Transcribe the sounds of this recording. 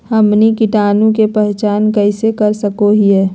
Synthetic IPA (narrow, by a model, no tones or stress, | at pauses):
həmnikɪʈaːnũkepɛɦt͡ʃaːnkəɪsekəɾsəkoɦiɦɛː